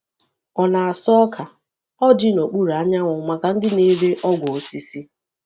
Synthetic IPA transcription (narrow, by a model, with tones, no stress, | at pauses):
ɔ˨na˨a˨sɔ˦kʰa˨ | ɔ˦d͡ʒɪ˦no˨k͡pu˦ɾa˦ɲa˦ŋʷɔ˨ma˨ka˨n̩˦dɪ˦ne˦le˦ʔɔ˦ɡʷɔ˨o˨si˦si˦